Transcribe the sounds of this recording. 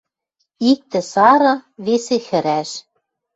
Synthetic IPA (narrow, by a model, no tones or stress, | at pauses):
ik̚t̪ɘ̆sɑɾɤ̆βesexɘ̆ɾæʃ